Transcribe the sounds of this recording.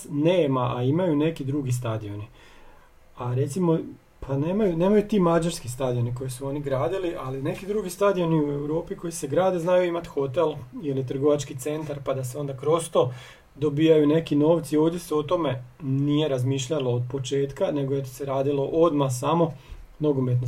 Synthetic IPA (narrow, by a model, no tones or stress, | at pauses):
ne̞ːmaʔaimajune̞kid̪ɾuɡist̪ad̪io̞ni | aɾe̞t̪simo̞ | pʰane̞ːmajune̞ːmajut̪iːmad͡ʒaɾskist̪ad̪ijo̞niko̞jisuo̞niɡɾaːd̪iliʔaline̞kid̪ɾuːɡist̪ad̪io̞niue̞wɾo̞ːpiko̞jise̞ɡɾaːd̪eznajuimat̪xo̞t̪e̞lilit̪r̩ɡo̞ʋat͡ʃkit̪se̞nt̪aɾpad̪ase̞o̞nd̪akɾo̞st̪o̞ | d̪o̞biːjajune̞kino̞ːʋt̪sio̞ːʋd̪ʲje̞seot̪o̞me̞nije̞ɾazmiːʃʎaloːd̪̚po̞t͡ʃe̞ːt̪kane̞ɡojet̪se̞ɾaːd̪ilo̞ʔod̪masamo̞no̞ɡomet̪̬no